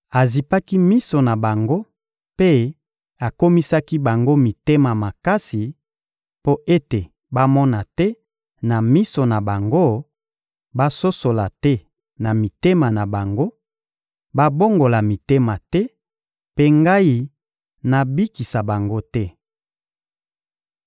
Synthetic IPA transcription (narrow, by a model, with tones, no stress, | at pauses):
a˨zi˨pa˦ki˦mi˦so˨na˨ba˨ŋɡo˦ | pe˦ | a˨ko˦mi˦sa˦ki˦ba˨ŋɡo˦mi˨te˦ma˨ma˨ka˦si˨ | po˦ʔe˦te˨ | ba˦mɔ˦na˨tɛ˦ | na˨mi˦so˨na˨ba˨ŋɡo˦ | ba˦so˦so˨la˨tɛ˦ | na˨mi˨te˦ma˨na˨ba˨ŋɡo˦ | ba˦bo˦ŋɡo˨la˨mi˨te˦ma˨tɛ˦ | pe˦ŋɡa˦i˦ | na˨bi˦ki˨sa˨ba˨ŋɡo˦tɛ˦